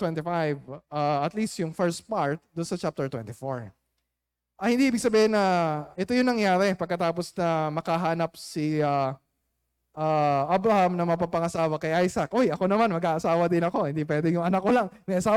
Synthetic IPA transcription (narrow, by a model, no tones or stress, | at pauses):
wɛnt̪ifajvʔaɐt̪list̪jʊŋfɛɹst̪̚paɹt̪̚d̪ʊnsɐt͡ʃap̚t̪ɛɹt̪wɛ̰nt̪ifoɹ | ʔɐhɪnd̪iʔiːbɪɡ̚sɐbiːhɪnːɐʔɛt̪o̞jʊnɐŋjaːɾɛpɐɡkːɐt̪aːpo̞snɐmɐkɐɦaːnɐp̚sia | ʔaʔabɾɐhamnɐmɐpɐpɐŋɐsaːwɐkɐjʔajsɐkʔojɐko̞nɐmanmɐɡaːʔɐsaːwɐd̪ɪnɐko̞hɪnd̪ipwɛːd̪ɪjʊŋɐnak̚kolɐŋmɐʔɐsaː